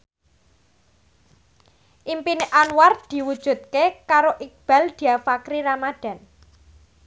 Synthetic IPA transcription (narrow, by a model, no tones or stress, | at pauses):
ʔimpineʔanward̪̥i̤wud̥ʒ̥ṳt̪̚kekaɾoʔik̚b̥a̤ld̪̥i̤afakɾiɾamad̪̥a̤n